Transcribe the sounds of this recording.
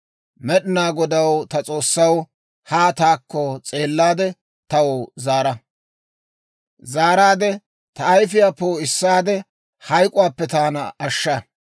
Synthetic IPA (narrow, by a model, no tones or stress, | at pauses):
mɛɗɪnaːɡɔd̪ɐwt̪ɐt͡sʼo̞ːsːɐw | haːt̪aːkːɔt͡sʼe̞ːlːaːd̪ɛ | t̪ɐwɔzaːɾɐ | zaːɾaːd̪ɛ | t̪ɐɐjfɪjaːpːowɔɪsːaːd̪ɛ | hɐjkʼʊwaːpːɛt̪aːnɐɐʃːɐ